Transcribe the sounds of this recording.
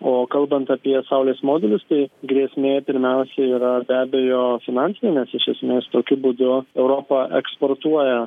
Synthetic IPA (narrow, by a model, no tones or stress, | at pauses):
oːkɐlˠbɐnt̪ɐpʲiɛsɐʊlʲeːsmoːd̪ʲɛlʲʊst̪ɐɪɡɾʲiɛsʲmʲeːpʲɪɾʲmʲɛʊsʲɛiːɾɐbʲæːbʲejoːfʲɪnɑnʲtsʲɪnʲenʲɛsɪʃʲɛsʲmʲeːst̪oːkʲʊbud̪ʊɛʊɾoːpɐʔɛ̰kspoːrt̪uɔjɛ